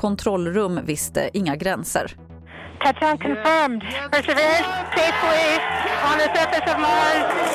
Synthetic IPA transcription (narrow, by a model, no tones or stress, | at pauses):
kʰɔnt̪ʰɾɔlːɾɵmːvɪst̪ə̰ʔɪŋːaɡɾɛnsə̰ɾ | kʰæt͡ʃãnkʰɨ̃ɱfɜ̃˞mdpʰɹ̥ɛsɨvɪɹɨ̃nseɪfpʰəlisə̃nðəsɜ˞fɨsʌvmaz